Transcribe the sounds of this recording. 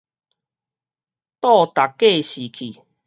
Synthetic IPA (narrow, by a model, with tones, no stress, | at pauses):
t̪ɔ˥˧˨t̪a˨˩kːe˥˧˨ɕi˨˩kʰi˨˩